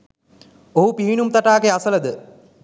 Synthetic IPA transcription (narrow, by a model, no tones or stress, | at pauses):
oɦupiɦinumt̪ɐʈaːɡeasɐlɐd̪ə